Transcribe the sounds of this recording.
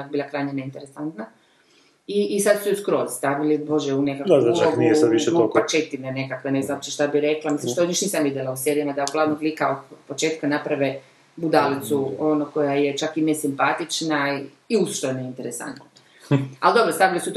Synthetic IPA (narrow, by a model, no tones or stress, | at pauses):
akbiːlˠakɾajɲeneint̪eɾesant̪na | iːsad̪su̥sɛuskɾoːzst̪aʋilibo̞ʒeunekak̪uaonisʋiʃet̪oat͡ʃet̪inene̞kakʋeneznaop̚t͡ʃeʃt̪abiɾeklˠamislimʃt̪ooɲiʃniːsamʋid̪ʲjelausjeɾjimad̪aoɡlˠaːʋnoɡlikaod̪̚po̞t͡ʃeːt̪̚kanapɾaʋe | bud̪alit̪suonoko̞jaje̞t͡ʃakinesimpat̪it͡ʃna | iusʃt̪oeneint̪eɾesa̰nt̪na | ald̪o̞bɾost̪aʋilisut̪